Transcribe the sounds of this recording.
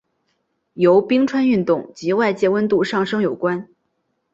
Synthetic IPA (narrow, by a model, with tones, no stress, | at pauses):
jo˧˥ʊpi˥ŋʈ͡ʂʰwa˥ny˥˧nt̪ʊ˥˩ŋt͡ɕi˧˥wa˥˧ɪt͡ɕjɛ˥˩wə˥nt̪u˥˧ʂɑ˥˩ŋʂɤ˥ŋjo˨˩ʊkwa˥n